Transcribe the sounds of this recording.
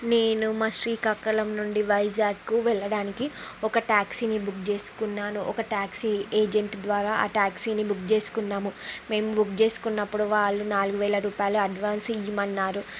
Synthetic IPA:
ne̞ːnumaːsɾiːkɐkːɐlɐmnuɳɖiʋɐjd͡ʒaːɡkuʋɛɭːɐɽaːnikiɔkɐʈaːksinibukt͡ʃe̞ːsu̥kunːaːnuʔɔkɐʈaːksieːd͡ʒeɳʈd̪ʋaːɾaːʔa̰ːʈaːksinibukt͡ʃe̞ːsu̥kunːaːmume̞ːmubukt͡ʃe̞ːsu̥kunːɐpːuɽuʋaːɭːunaːluɡuʋɛːlɐɾuːpaːjɐluɐɖʋaːnsijimɐnːaːɾu

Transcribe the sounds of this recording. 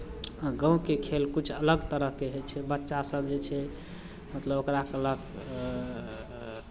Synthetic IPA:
ɡə̃ũkekʰelkut͡ʃʰələɡt̪əɾəɦkeɦet͡ʃʰɛbətːʃasəbd͡ʒet͡ʃʰɛ | mət̪ləbokɾakələɡ

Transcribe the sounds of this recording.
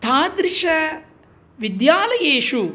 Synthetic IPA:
t̪ʰaːd̪ɾiʂɐ | ʋid̪jaːlɐjeːʂu

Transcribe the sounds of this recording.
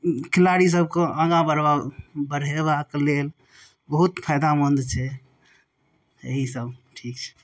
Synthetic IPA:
kʰɪlaɽis̬əb̚keʔə̃ɡãbəɾabəɽ̤eβaklel | bəɦut̪pʰajd̪amənd̪t͡ʃʰɛ | ḛɦisəbʈʰik̚t͡ʃʰɛ̥

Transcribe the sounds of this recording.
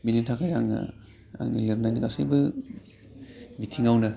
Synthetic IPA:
bilitʰakajaŋa̰ | a̰ŋnileɾnajnikasɯ̰jbɯ | bitʰiŋawnɯ

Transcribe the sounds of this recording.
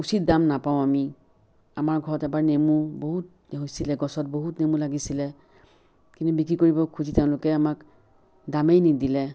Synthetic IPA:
usit̚damnapaʊ̃ami | amaɹɡʱɔɹɔtɛbaɹnemuboɦut | ɦojsilɛɡɔsɔt̚boɦutnemulaɡisilɛ | kintubikɹikoɹibɔkʰuziteʊ̃lʊkɛamak | damejnidilɛ

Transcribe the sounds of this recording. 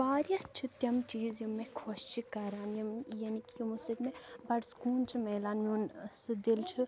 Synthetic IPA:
baːɾjɐt͡ʃʰit̪ɐmt͡ʃiːzjimːekʰoʃt͡ʃʰikɐɾaːnjɐmjɐnikijumusɐd̪mẽbɐɖskuːnt͡ʃʰimeːlaːnmunsɨd̪ilt͡ʃʰi

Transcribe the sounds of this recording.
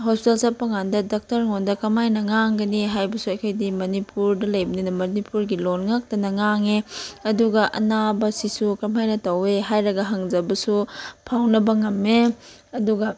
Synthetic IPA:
ɦospitelsapːɐŋandɐdak̚tɐɾŋondɐkɐmajnɐŋaŋɡɐniɦajbɐsuɐjkʰojdimɐnipuɾdɐlɐjbɐninɐmɐnipuɾɡilonŋak̚tɐnɐŋaŋeɐduɡɐʔɐ̰nabɐsisukɐmajnɐtɐweɦajɾɐɡɐɦaŋzɐbɐsupʰawnɐbɐŋɐmːe | ɐduɡɐ

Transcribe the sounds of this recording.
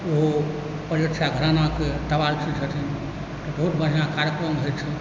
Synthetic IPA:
o | pəɾjət̪saɡʱəɾanaket̪əbalt͡ʃʰit͡ʃʰət̪ʰin | t̪ɔbəɦut̪bəɽ̤ʱijãkaɾjəkɾəmɦət͡ʃʰɛ

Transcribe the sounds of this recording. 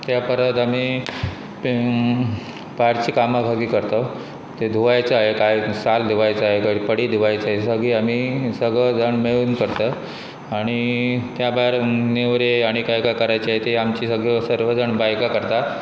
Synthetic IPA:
t̪japəɾət̪am̤iː | baɾt͡ɕiːkamabʱaɡiːkəɾt̪ə | t̪ed̪ʱuʋajt͡səaɦekajsald̪ʱuʋajt͡səaɦekəɾpəɽiːd̪ʱuʋajt͡səaɦesəɡɭiːam̤iːsəɡɭəd͡zəɳmeɭuːnkəɾt̪ə | aɽ̃it̪jabaɾneʋɾeaɽ̃ikajkakəɾajt͡ɕiaɦet̪eamt͡ɕiːsəɡɭesəɾʋəd͡zəɳbajkakəɾt̪a

